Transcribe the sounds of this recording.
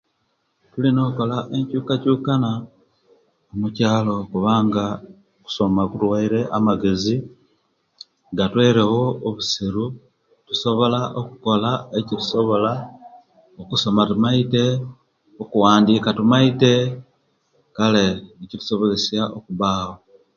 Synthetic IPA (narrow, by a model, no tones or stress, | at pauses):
tulino̞ːko̞laʔe̞ɲcuːkacuːkana | omucaːlo̞kuβaːŋɡa | oku̥so̞makuɾwaiɾe̞ʔamaɡe̞zi | ŋɡatwe̞ːɾe̞wo̞ːβusiɾu | tuso̞βo̞laʔokuko̞laecitu̥so̞βo̞la | okuso̞matumaite̞ | okuwaːndiːkatumaite̞ | kale̞ecitu̥so̞βo̞zesjaʔokuβaːho̞